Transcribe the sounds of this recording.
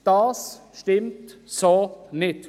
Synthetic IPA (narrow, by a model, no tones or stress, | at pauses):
d̪̥ɑːsʃtɪmtsonɪt